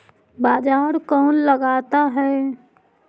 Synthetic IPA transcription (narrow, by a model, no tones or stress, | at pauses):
baːd͡ʒaːɾkɔːnləɡaːt̪aɦɛː